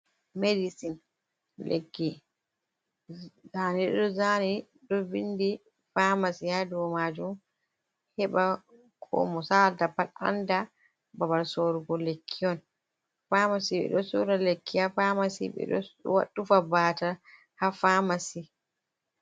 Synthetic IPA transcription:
medisin | lʔḛkːi | zaniɗɗɔzani | ɗɔvindi | famasihadɔwɔmad͡ʒum | hɛɓa | kʰɔ̰mɔsaldapata̰nda | babaɾsoɾuɡɔlekʰːiɔn | famasiɓɛ̰ɗɔsuɾalekːihafamasḭɓɛ̰ɗɔ̰wa̰ɗufabaːta | hafamasi

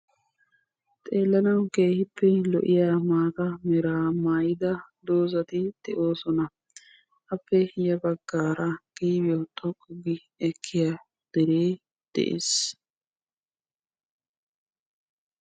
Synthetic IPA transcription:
t̪ʼeːlːɐnɐwke̞ːhɪpːɛlɔʔɪjaːmaːk̪ɐmɛɾaːmaːjɪd̪ɐd̪o̞ːzɐt̪ɪd̪̥ɛʔo̞ːsɔnɐ | ʔɐpːɛjɐbɐɡːaːɾɐɡ̥iːbɪjot̪ʰʼɔkʼːʊɡɪ | ɛkʰːɪjaː | d̪̥ɛɾeː | d̪̥ɛ̰ʔḛːs

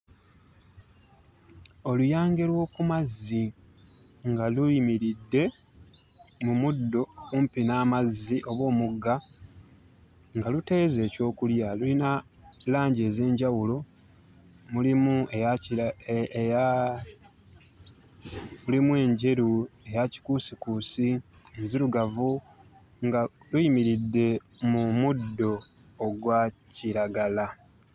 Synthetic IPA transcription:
o̞lujaːŋɡe̞lwo̞ːkumazːi | ŋɡaluimiɾidːe̞ | mumudːo̞kumpinaːmazːiʔo̞βwo̞ːmuɡːa | ŋɡalute̞ːze̞ːco̞ːkuljalulina | laːɲɟe̞ːze̞ːɲɟawulo̞ | mulimue | ja | mulimwe̞ːɲɟe̞ɾue̞jaci̥kusikuːsi | nziɾuɡavu | ŋɡalujimiɾidːe̞mumudːo̞ːɡwaciɾaɡala

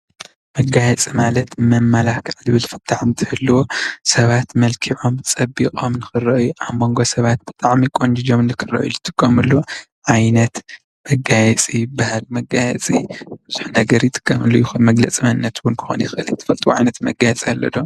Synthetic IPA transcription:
mɐɡajɛt͡sʼimalɐt̪mɐmːalakʰʕlɨβɨlfɨt̪ʰːaʕɨnt̪ʰɨhɨlːɨwosɐβat̪mɐlkʰiʕo̞mt͡sʼɐbːikʼomnɨxɨrɐʔjuʔaβmo̞ŋɡo̞sɐβat̪̚b̥ɨt̪ʼaʕmikʼond͡ʒid͡ʒo̞mnɨkʰɨrɐ̰ʔjujɨt̪ʰʼɨkʰʼːɐmɨlːu | ʕajnɐt̪ | mɐɡajɛt͡sʼibahalmɐɡajɛt͡sʼib̥ɨzuħnɐɡɐɾjɪt̪ʰʼɨ̥kʰʼːɐmɨlːojɪxunmɐɡlɐt͡sʼimɐnɨnːɐt̪wʊnkʰɨ̥xonjɪxɨʔɨlt̪ʰɨ̥fɐlt̪ʼuwoʕa̰jnɐt̪mɐɡajɛt͡sʼiɐlːɐ̰d̪o

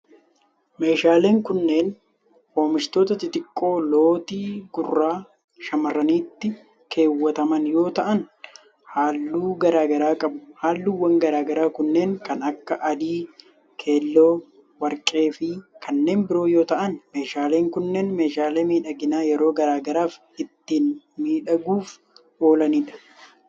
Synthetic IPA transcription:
me̞ːʃaːle̞ːŋkʊnːe̞ːn | hoːmɪʃt̪o̞ːt̪ɐt̪ɪt̪ʼɪkʼːo̞ːlo̞ːt̪iːɡʊrːaː | ʃɐmɐrːɐniːt̪ːɪ | kʰe̞ːwːɐt̪ɐmɐnjo̞ːt̪ɐʔɐn | haːlːuːɡɐɾaːɡɐɾaːkʼɐbʊ̥haːlːuːwːɐŋɡɐɾaːɡɐɾaːkʊnːe̞ːŋkɐnɐkːɐʔɐd̪iː | kʰe̞ːlːo̞ː | wɐɾkʼe̞ːfɪkʰɐnːe̞ːnbɪɾo̞ːjo̞ːt̪ɐʔɐnme̞ːʃaːle̞ːŋkʊnːeːnme̞ːʃaːleːmiːᶑɐɡɪnaːjɛɾo̞ːɡɐɾaːɡɐɾaːf | ɪt̪ːiːn | miːᶑɐɡuːf | ʔo̞ːlɐniːᶑɐ̥

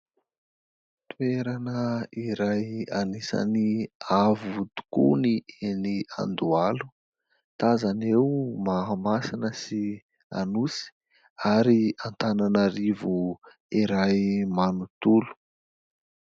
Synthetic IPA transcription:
t̪ueɾanəiɾajanisa̰niavut̪u̥kṵnienia̰nd̪ualu̥ | t̪azanewmaamasinəsi | a̰nusi̥ | aɾiant̪ananaɾivu | iɾajmanut̪ulu̥

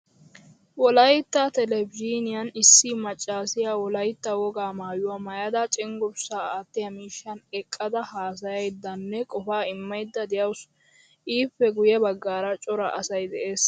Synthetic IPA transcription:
wɔlɐjt̪ːɐt̪ɛlɛbd͡ʒiːnɪjɐnɪsːɪmɐt͡ʃʼːaːsɪjawɔlɐjt̪ːɐwɔɡaːmaːjʊwamɐjɐd̪ɐt͡ʃʼɪŋɡʊbsaːt̪ːɪjɐmiːʃːɐnɛkʼːɐd̪ɐhaːs̬ɐjɐjd̪ːɐnːɛkʼɔfaːɪmːɐjd̪ːɐd̪ɛjɐws | ʔiːpːɛɡʊjɛbɐɡːaːɾɐt͡ʃʼɔɾɐ̰ʔɐsɐjd̪ɛʔe̞ːs

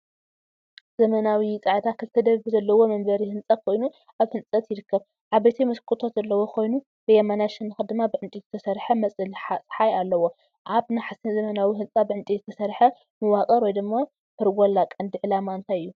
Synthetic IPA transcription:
zɐmɐnawit͡sʼaʕt̪ʰakʰɨlt̪ʰɐd̪ɐββɨzɐlːɐwo̞mɐmbɐɾihɨnt͡sʼɐt̪̚kʰo̞jnu | aβhɨnt͡sʼɐt̪jɪɾɨkʰːɐβ | ʕaβɐjt̪ʰimɨskʰʼɨt̪ʰo̞t̪zɐlːɐwo̞kʰo̞jnu | bɨjɛmanaʃɨnːɨxɐd̪ɨmːabɨʕɨnt̪ʼizɨt̪ʰɐsɐɾħɐmɐt͡sʼɨlħasʼħajalːɐwo̞ | ʕaβnaħasɐnzɐmɐnawiɦɨnt͡sʼabɨʕɨnt̪ʼizɨt̪ʰɐsɐɾħɐ | mɨwakʼɐɾwɔjd̪ɨmːa | fɨɾɡʷolːakʼɐnd̪iʕɨlamaɨnt̪ʰajɨjːu

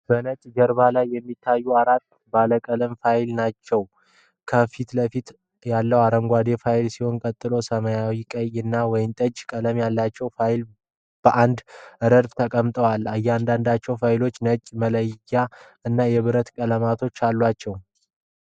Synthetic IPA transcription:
b̥ənət͡ʃʼːd͡ʒəɾβalajːɛmːit̪ʰːajːuaɾat̪ː | baləkʼələmfajlnat͡ʃːɛw | kʰəfit̪ləfit̪ | jalːəwaɾəŋɡʷad̪e̞fajlsiho̞nkʼət̪ʼːɨlo̞səmajawikʼəjɨnːawɔjɪmt̪ʼəd͡ʒkʼələmjalːat͡ʃːɛwfajl | b̥əʔand̪ʔɨɾəɾbt̪ʰəkʼəmt̪ʼəwalːajːɛand̪and̪at͡ʃːɛwfajlo̞t͡ʃːnət͡ʃʼmələja | ɨnːajɛβɨɾət̪kʼələmat̪ʰo̞t͡ʃːalːwat͡ʃːɛw

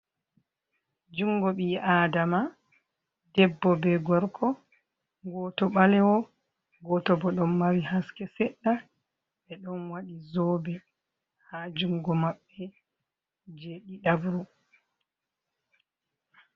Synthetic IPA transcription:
d͡ʒuŋɡɔɓiʔaːdama | dɛbːɔbɛɡɔɾkʰɔ | ɡɔːtɔɓalɛwɔ | ɡɔtɔbɔɗɔmːaɾihaskɛsɛɗːa | ɓɛɗɔnwaɗizɔːbɛ | had͡ʒuŋɡɔmaɓːɛ | d͡ʒeɗiɗabɾu

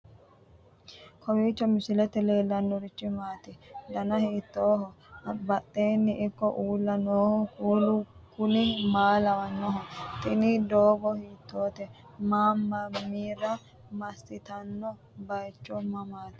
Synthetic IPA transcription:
kʰɔwiːt͡ʃːɔmɪsɪlɛt̪ːɛle̞ːlːɐnːɔɾɪt͡ʃːɪmaːt̪ɛd̪ɐnɐhiːt̪ːoːɦɔbɐt̪ʼːeːnːɪʔɪkːɔʔuːlːɐnoːhɔkuːlʊkʊnɪmaːlɐwɐnːɔɦɔt̪ʼɪnɪd̪oːɡɔhiːt̪ːo̞ːt̪ɛ | maːmːɐmiːɾɐ | mɐsːɪt̪ɐnːɔ | bɐjt͡ʃːɔmɐmaːt̪ɛ̥

